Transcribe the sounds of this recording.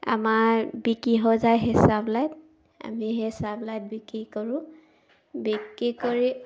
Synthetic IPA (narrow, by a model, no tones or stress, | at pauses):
a̰maɹbikiɦɔzajɦɛsablajt̚ | a̰miɦɛsablajt̚bikikoɹʊ̃ | bikːikoɹi